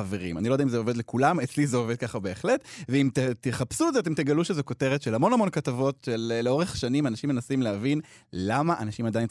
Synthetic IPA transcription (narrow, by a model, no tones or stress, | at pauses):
aveʁḭma̰nilojd̪aimzeo̞ved̪lekulamet͡slizeoved̪̚kaχabe̞ːχletveimt̪et̪eχapsuedzeat̬emt̪eɡaluʃezoko̞te̞ʁet̪ʃelhamo̞namo̞nkatavo̞tʃelːeoʁeχʃanimanaʃimːenasimleavin | lamaʔanaʃimad̪ajin